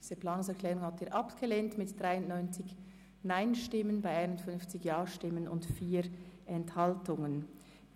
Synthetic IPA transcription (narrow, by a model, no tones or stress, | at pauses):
d̥iːz̥əplɑːnʊŋsɛɐkʰlɛːʁʊŋhɑtiːɐʔɑpɡ̥eleːntmɪtd̥ʁaɪʊnʔnɔʏnt͡sɪç | naɪnʃtɪmənbaɪaɪnʊntfʏnft͡sɪçjɑːʃtɪmənʊ̰ntfiːɾʔɛnthɑltʊŋən